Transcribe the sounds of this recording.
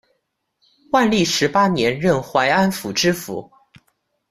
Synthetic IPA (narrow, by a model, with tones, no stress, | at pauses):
wa˥˧nli˥˩ʂɻ̩˧˥pa˥njɛ˧˥nɻə˥˩nxwa˧˥ɪa˥nfu˨˩ʈ͡ʂɻ̩˥fṵ˨˧˥